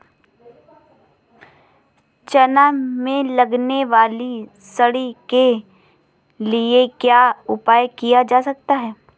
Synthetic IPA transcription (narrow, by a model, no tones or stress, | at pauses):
t͡ʃɐnamẽlɐɡneʋaːli | sɐɽike | liekjaːʊpaːjkijad͡ʒaːsɐk̚t̪aɦɛː